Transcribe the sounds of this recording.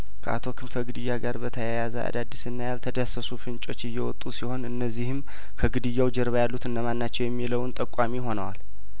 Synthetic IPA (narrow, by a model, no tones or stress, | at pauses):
kʰəʔa̰t̪ʰo̞kʰɨmfəɡɨd̪ɨjːaɡaɾbət̪ʰəjajazəʔa̰d̪ad̪ːisɨnːajalt̪ʰəd̪əsəsufɨnt͡ʃʼo̞t͡ʃːɪjːɛwɔt̪ʼːusiho̞nɨnːəzːihɨm | kʰəɡɨd̪ɨjːawd͡ʒɛɾβajalːut̪ɨnːəmanːat͡ʃːɛwjɛmːiləwnt̪ʼəkʼːamiɦo̞nəwa̰l